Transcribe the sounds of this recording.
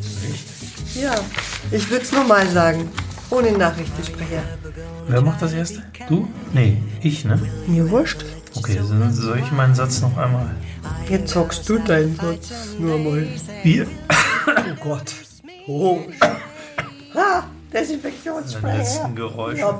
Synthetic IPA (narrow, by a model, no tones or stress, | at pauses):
ʁɪç | jaːʔɪçv̥ɪɐdəsnuːɐmaːlzaːɡŋ̩ʔoːnənaːχʁ̥ɪçtəʃpʁ̥ɛçɐ | veːɐmaχt̚d̥asʔeːɐstə | d̥uː | nəʔɪçnəmiːɐvʊɐʃt | ʔokʰḛːzzɔlɪçmaɪnənzat͡snɔχʔa̰ɪnmaːljɛt͡sthɔkstd̥uːdaɪnənzɔt͡snuːɐmaːlviːɐ | oɡ̥ɔt | o | had̥ɛsɪnfɛk̚t͡sjoːnsʁɛɛsn̩ɡəʁɔʏʃa